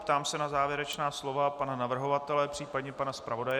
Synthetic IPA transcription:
pt̪aːmsɛnazaːvjɛɾɛt͡ʃnaːslo̞vapananavr̩ɦo̞vat̪ɛlɛpr̥iːpadɲɛpanaspɾavo̞dajɛ

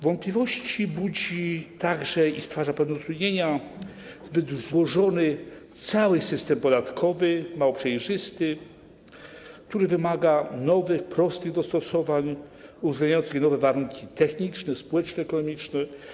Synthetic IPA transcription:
vɔnt̪̚plʲivɔɕt͡ɕibud͡ʑit̪aɡʐɛist̪faʐapɛvnɛut̪ɾud̪ɲeɲa | zbɘd̪zwɔʐɔnɘ | t̪sawɘsɘst̪ɛmpɔd̪at̪kʰɔvɘmawɔpʂɛjʐɘst̪ɘ | kk̚t̪uɾɘvɘmaɡanɔvɘxpɾɔst̪ɘɣd̪ɔst̪ɔsɔvaɲuvzɡlɛajɔnsɣnɔvɛvaɾuŋkʲit̪ɛxɲit͡ʂnɛspɔwɛt͡ʂnɛɛkɔnɔmʲit͡ʂnɛ

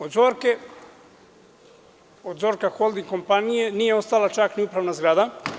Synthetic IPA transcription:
od̪zoːɾke̞ | od̪zo̞ːɾkaxold̪iŋko̞mpanije̞niːjeo̞st̪alat͡ʃakniupɾaʋnazɡɾaːd̪a

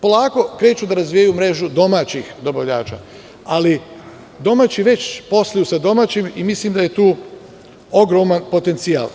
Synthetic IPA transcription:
po̞lˠaːko̞kɾe̞ːt͡ʃud̪aɾazʋijajumɾe̞ʒud̪o̞maːt͡ɕixd̪o̞baʋʎa̰ːt͡ʃa̰ | ali | d̪o̞maːt͡ɕiʋe̞t͡ɕpo̞slˠajusad̪o̞maːt͡ɕimimislimd̪aje̞t̪uː | o̞ɡɾo̞manpo̞t̪e̞nt̪sija̰l

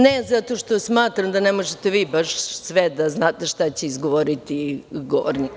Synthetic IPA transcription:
nezat̪o̞ʃt̪o̞smaːt̪ɾamd̪anemoʒet̪eʋiːbaʃsʋɛd̪aznaːt̪eʃt̪at͡ɕeizɡoʋoɾit̪iɡoʋo̰ɾni

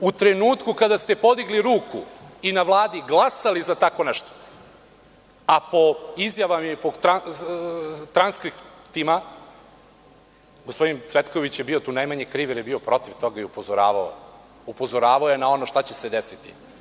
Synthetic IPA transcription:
ut̪ɾe̞nuːt̪kukad̪ast̪epo̞d̪iɡliɾuːkuinaʋlˠaːd̪iɡlˠasalizat̪ako̞nɛʃt̪o̥ | apo̞izjaʋamapot̪ɾa | t̪ɾanskɾipt̪ima | ɡospo̞d̪int̪sʋe̞t̪ko̞ʋit͡ɕjebiot̪uːnajmaɲekɾiːʋeɾjebiopɾo̞t̪iʋt̪o̞ɡaiupozoɾa̰ːʋao̰ | upo̞zoɾaːʋaojenao̞no̞ʃt̪at͡ɕesed̪esit̪ḭ

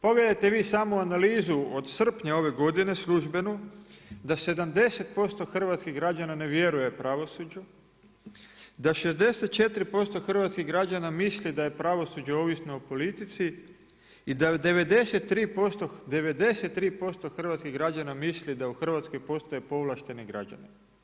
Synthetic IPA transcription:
po̞ɡle̞d̪ajt̪e̞ʋiːsaːmoanaliːzuod̪sr̩pɲao̞ʋe̞ɡo̞d̪ine̞slˠuʒbe̞nud̪ase̞d̪amd̪e̞set̪̚po̞st̪o̞xr̩ʋat̪skiɣɡɾad͡ʑanane̞ʋje̞ɾuje̞pɾaʋosud͡ʑu | d̪aʃe̞zd̪e̞set̪̚t͡ʃe̞t̪ɾipo̞st̪o̞xr̩ʋat̪skiɣɡɾad͡ʑanamislid̪aje̞pɾaʋo̞sud͡ʑaoʋisnoopo̞lit̪it̪si | id̪ad̪e̞ʋe̞d̪e̞set̪ːɾiːpost̪od̪e̞ʋe̞d̪e̞set̪ːɾiːpo̞st̪oxr̩ʋat̪skiɣɡɾad͡ʑanamislid̪auxr̩ʋat̪sko̞jpo̞st̪ojepo̞ʋlˠaʃt̪e̞niɡɾa̰d͡ʑa̰ni

